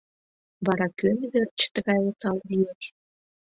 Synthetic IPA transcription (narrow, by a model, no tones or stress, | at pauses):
βɑɾɑkønβert͡ɕt̪ə̆ɣɑjot͡sɑlβijeʃ